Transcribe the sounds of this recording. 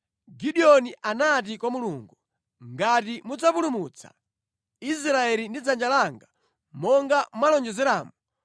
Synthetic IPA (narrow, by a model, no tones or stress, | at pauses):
ɡiɗiɔniʔanat̬ikwamuluːŋɡu | ŋɡatimud͡zapulumut͡sʰḁ̰ | is̬ɾaɛlindid͡zand͡ʒalaŋɡa | mɔŋɡamwalɔnd͡ʒɛzɛɾaːmu